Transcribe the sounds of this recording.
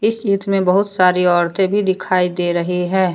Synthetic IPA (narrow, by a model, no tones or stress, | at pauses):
ɪsiːt̪mẽbɐɦʊt̪saːɾiɔːɾt̪ẽbʱid̪ɪkʰaːid̪eːɾɐɦiɦɛː